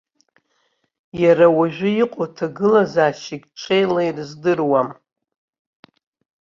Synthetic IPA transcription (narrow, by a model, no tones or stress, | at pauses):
jaɾawaʒʷᶣʊiqʼotʰaɡɨlazaːʃɪkʲʈ͡ʂʷʰʼejlejrzdɨrwam